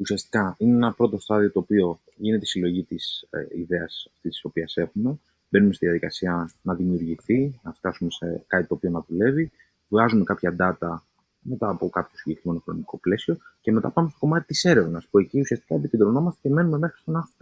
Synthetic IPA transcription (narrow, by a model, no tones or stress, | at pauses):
usiɐst̪i̥kɐinee̞nɐpɾo̞t̪o̞st̪ɐðio̞t̪oːpio̞ | ʝinet̪e̞isilo̞ʝit̪isḭðeɐsɐft̪isiso̞piɐse̞xume̞ | be̞numesiðiɐðikɐsiɐnɐðimiuɾʝiθinɐft̪ɐsume̞sekɐt̪it̪o̞ːpio̞nɐðule̞vi | vɣɐzume̞kɐpçɐd̪ɐt̪ɐ | me̞t̪ɐːpo̞kɐpço̞siɲɟekɾime̞no̞xɾo̞niko̞ple̞sio̞ceme̞t̪ɐpɐmumest̪o̞ko̞mɐt̪i̥t̪ise̞ɾe̞vnɐspue̞ciusiɐst̪i̥kɐepic̪ind̪ɾo̞no̞mɐst̪ece̞me̞nume̞mexɾist̪onɐx